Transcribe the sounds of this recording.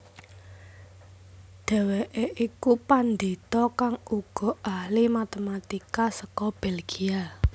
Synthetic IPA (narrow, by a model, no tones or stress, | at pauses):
d̪̥ɛ̤weʔeʔikupand̪it̪ɔkaŋuɡ̥ɔ̤ʔahlimat̪emat̪ikasəkɔb̥elɡ̥ia